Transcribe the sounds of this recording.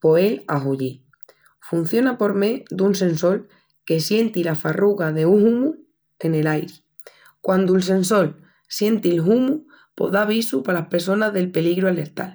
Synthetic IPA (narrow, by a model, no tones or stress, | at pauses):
po̞ela̰ɦuʎi | fun̟θjo̞napo̞ɾme̞ðuns̬ẽ̞nso̞l | ke̞sje̞nt̪ilafaruɣaðe̞uŋhumu | e̞ne̞lajɾi | kwʔand̪uels̬e̞nso̞l | sje̞nt̪ilɦumu | po̞̰ðaβ̞isupalahpe̞ɾso̞naɦðe̞lpe̞liɣɾuale̞ɾt̪a̰l